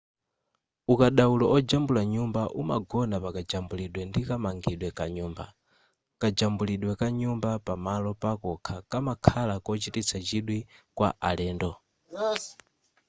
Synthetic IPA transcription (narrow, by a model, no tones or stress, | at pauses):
ukaɗaulɔɔd͡ʒambulaɲumbaʔuma̰ɡɔnapakad͡ʒambuliɗwɛndikamaŋɡiɗwɛkaɲuːmba̰ | kad͡ʒambuliɗwɛkaɲumbapamalɔpakɔkʰakamakʰalakɔt͡ʃitit͡sʰat͡ʃiɗwikwa̰ʔa̰lɛːndɔ